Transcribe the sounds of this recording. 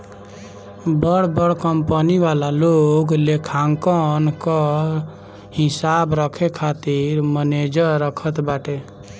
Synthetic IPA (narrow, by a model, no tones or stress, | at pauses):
bəɽbəɽkəmpəniʋalaloɡlekʰaŋkənkə | hisabɾəkʰekʰat̪iɾməned͡ʒəɾːəkʰət̪baʈe